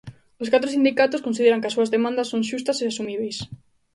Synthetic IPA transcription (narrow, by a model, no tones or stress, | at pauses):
ʊskat̪ɾosind̪ikat̪ʊskonsiðeɾɐŋkɪɐsːuɐzðemãnd̪ɐsoŋʃust̪ɐseasumiβ̞ejs